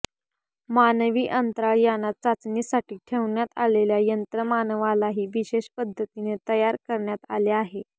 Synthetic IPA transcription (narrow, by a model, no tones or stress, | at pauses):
manʋiːʔənt̪ɾaɭjanːat̪̚t͡sat͡snisaʈiːʈʰeʋɳjat̪a̰leljajənt̪ɾəmanəʋalaɦiːʋiɕeɕpəd̪ʱːət̪inet̪əjaɾkəɾɳjat̪a̰leaɦe